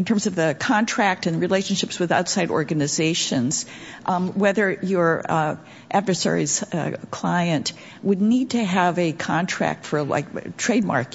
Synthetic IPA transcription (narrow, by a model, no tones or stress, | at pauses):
ntʰɜ̃˞mzʌvðɨkʰɑ̃ntʰɹ̥æk̚tɨ̃nɹileɪʃn̩ʃɪpswɨða̰ʊtsaɪɾɔ̰ɹɡɨnɨzeɪʃɨ̃nz̥ | wɛðə˞jə˞ | ʔædvə˞sɛ̰ɹḭz̥kʰl̥aɪɨ̃nʔ | wɨdⁿnid̚tʰɨəvɨkʰɑ̃ntʰɹ̥æ̰k̚tfə˞la̰ɪktʰɹ̥eɪd̚mɑ̰ɹk